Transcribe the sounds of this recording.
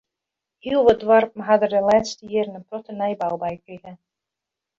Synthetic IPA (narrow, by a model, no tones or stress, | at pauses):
hiəlˠʋɔdʋarp̚m̩ɦadərdəlɛːtstəjɪərnəprɔtənɛjbawbɛjkriɣə